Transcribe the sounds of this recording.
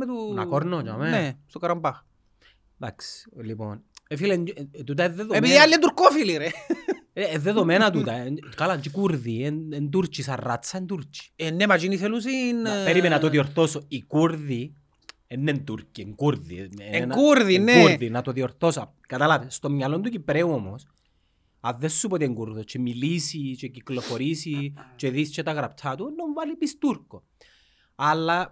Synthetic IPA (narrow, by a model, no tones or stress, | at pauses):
met̪unakɔɾnot͡ʃamɛnɛsokaɾampa | d̪aksliponefilend͡ʒt̪ut̪̬aeðːeðopiðialːɛnt̪̬uɾkofiliɾe | ɛðːeðomɛnat̪̬ut̪akalant͡ʃikuɾðieent̪̬uɾt͡ʃisarːat̪sːaent̪uɾt͡ʃi̥ɛnːemad͡ʒinis̬elus̬inpeɾimɛnat̪oðiɔɾθosoikuɾði | enːent̪uɾcieŋkuɾðinkuɾðineuɾðinat̪oðiɔɾθosa | kat̪alatest̪omɲalont̪ucipɾewomos | aðːesːupot̪ieŋɡuɾðot͡ʃʰemilisit͡ʃeciklofoɾisit͡ʃeðist͡ʃet̪aɣɾapt̪ʰːat̪unːoɱvalipist̪uɾko | alːa